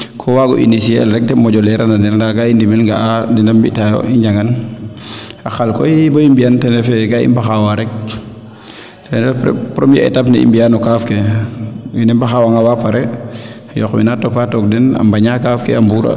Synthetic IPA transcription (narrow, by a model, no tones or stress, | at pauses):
kʰɔwaɡɔ̰ʔinisiɛlɾɛk̚tɛmɔɟɔlɛɾananɛlndaɡaindimɛlŋɡaandɛndambitajɔ̰iɲd͡ʒaŋɡan | axalkɔjboimbijantɛndɛfɛɡaḭmbaxawaɾɛk̚ | tɛndɛppɾomiɛɛ̰tapnɛḭmbijanɔkafkɛ | winɛmbaxawaŋawapaɾɛ | jɔ̰xmḭnatɔpatɔk̚dɛna̰mbaɲakaːfkɛ̰ambuːɾa̰